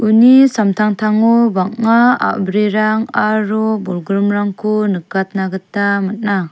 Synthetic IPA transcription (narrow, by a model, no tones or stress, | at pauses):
unisamtʰaŋtʰaŋɔbakŋaa̰bɾiɾaŋaɾubɔlɡɾumɾaŋkʰunɯkat̚naɡɯtːamat̚na